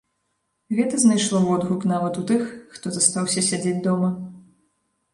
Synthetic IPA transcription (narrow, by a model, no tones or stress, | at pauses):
ɣɛt̪ɐznajʂlˠɔvɔd̪ɣuknavɐt̪ut̪ɨxːt̪ɔzast̪awsʲɐsʲad͡zʲed͡zʲd̪ɔmɐ